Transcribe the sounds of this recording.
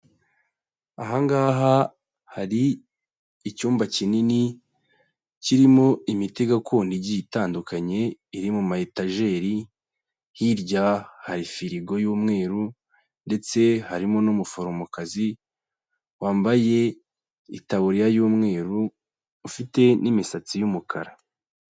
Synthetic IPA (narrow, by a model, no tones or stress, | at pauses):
aɦaŋɡaːɦa | haɾiː | cuːmbacinini | ciɾimo̞imiteɡakoːndiɟitaːndukaɲe̞iɾimumahetaʒe̞ːɾi | hiɾɟahaɾifiɾiɡo̞juːmŋe̞ːɾu | nde̞t͡se̞haɾimonomufoɾomokazi | waːmbaje̞ | ḭtaβuɾijajuːmŋe̞ːɾuː | fite̞nimisat͡sijumukʰa̰ɾa